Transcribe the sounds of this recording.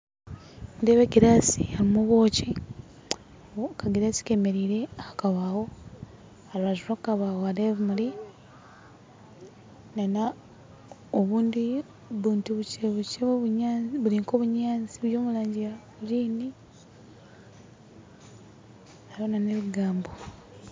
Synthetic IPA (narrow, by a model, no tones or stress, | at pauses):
mundeβeɡiɾasihaimuβo̞ːci | kaɡiɾasi̥kemeɾiːɾe̞akaβawo̞ | aɾβazurakkaβawoaleβumuli | nana | oβuːndi | βuːntuβut͡ʃeβut͡ʃeoβuɲaːβuliŋkoβuɲaːnziβjo̞ːmulaːɲɟija | uɾiːni | aβonaneβuɡaːmbo